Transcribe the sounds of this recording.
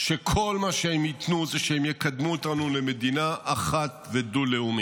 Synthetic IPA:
ʃekʰo̞lmaʃehemjit̪nuzeʃehemjekad̪muot̪anuleme̞d̪inaʔaχat̪ved̪uleumi

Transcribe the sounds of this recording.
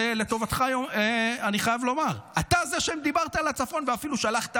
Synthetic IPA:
ele̞t̪o̞vat̪χajoeaniχajavlo̞maʁat̪azeʃemd̪ibaʁt̪aːlat͡safo̞nveafiluʃalaχt̪a

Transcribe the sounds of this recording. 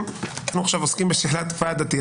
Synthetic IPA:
mnanuaχʃavoskimbeʃiħlat̪fad̪at̪i

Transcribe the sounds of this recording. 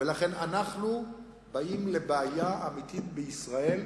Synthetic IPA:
velaχe̞nanaχnu | baimle̞beajaamit̪it̪beisʁae̞l

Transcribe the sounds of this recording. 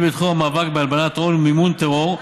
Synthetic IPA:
bit̪χuamaːvakbealbanat̪olmimunt̪eʁoʁ

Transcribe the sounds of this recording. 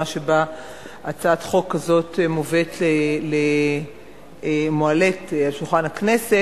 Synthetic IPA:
aʃeba | ʔat͡saːt̪χo̞kːazo̞temovet̪lele | moale̞talʃulχanhakne̞se

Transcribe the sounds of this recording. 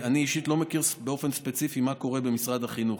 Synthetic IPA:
aniiʃit̪lo̞mekiʁsbeo̞fe̞nspet͡sifimako̞ʁe̞be̞misʁad̪haχinuχ

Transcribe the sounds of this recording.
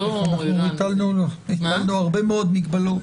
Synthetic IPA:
anaχnumit̪alnuit̪alnuaʁbe̞meod̪miɡbalu

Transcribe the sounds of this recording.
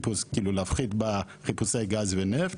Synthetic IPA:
puskilolafχit̪baʁepusaeɡazvenɛf

